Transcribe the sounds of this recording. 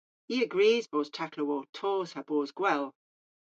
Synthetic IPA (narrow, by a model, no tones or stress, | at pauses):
iəɡɹiːzboːz̥t͡ʃʰakʰləwɔːtʰɔːz̥hab̥ɔːzɡ̥wɛlˠ